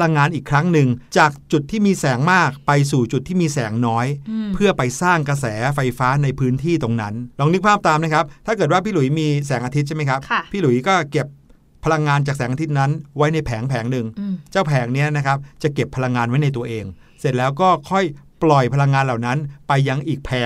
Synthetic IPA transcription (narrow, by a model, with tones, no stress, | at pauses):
la˧ŋːaː˧nʔiː˨˩kʰɾa˦˥ŋnɯ˨˧ŋt͡ɕaː˨˩k̚t͡ɕu˨˩t̪ʰːiː˥˩miː˧sɛː˩˦ŋmaː˥˩k̚pa˧jsuː˨˩t͡ɕu˨˩t̪ʰːiː˥˩miː˧sɛː˩˦ŋnɔː˦˥jpʰɯ˥˩ɐpa˧jsaː˥˩ŋkɾa˧s̬ɛː˩˦fa˧jfaː˦˥na˧jpʰɯː˦˥nt̪ʰiː˥˩t̪o˧ŋna˦˥nɾɔː˧ŋnɯ˦˥k̚pʰaː˥˩p̚t̪aː˧mna˦˥kʰa˦˥p̚t̪ʰaː˥˩kɤː˨˩t̪̚waː˥˩pʰiː˥˩lu˨˩˦jmiː˧sɛː˩˦ŋʔaː˧t̪ʰi˦˥t͡ɕa˥˩ma˦˥jkʰa˦˥pʰpʰːiː˥˩lu˨˩˦jkɔː˥˩ke˨˩p̚ʰː | a˧la˧ŋːaː˧nt͡ɕaː˨˩k̚sɛː˩˦ŋa˧i˦˥t̪̚na˦˥nwa˦˥jna˧jpʰɛː˩˦ŋpʰɛː˩˦ŋnɯ˨˩ŋt͡ɕaː˥˩wpʰɛː˩˦ŋni˦˥ɐna˦˥kʰa˦˥p̚t͡ɕa˨˩ke˨˩pʰːa˧la˧ŋːaː˧nwa˦˥jna˧jt̪̬u˧ɐʔeː˧ŋ | se˨˩t̪̚lɛː˦˥wkɔː˥˩kʰɔ˥˩jplɔ˨˩jpʰa˧la˧ŋːaː˧nla˨˩wna˦˥npa˧jːa˧ŋʔiː˨˩k̚pʰɛː˨˩˦